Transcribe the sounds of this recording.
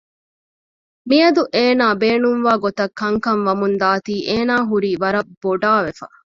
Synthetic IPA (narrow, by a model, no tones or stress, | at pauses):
miɐd̪uʔeːnaːbeːnumʋaːɡot̪ɐkːɐŋkɐnʋɐmund̪aːt̪iːʔeːnaːɦuɾiːʋɐɾɐbb̥ːoɖaːʋefɐ̰